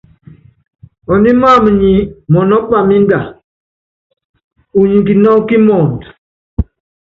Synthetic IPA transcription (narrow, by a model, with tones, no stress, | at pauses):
ɔ˨ni˦ma˦˨mə˨ɲi˨mɔ˨nɔ˦ɓa˨mi˦n˦da˨ | u˨ɲi˨ki˨nɔ˦ki˦mɔ˨nt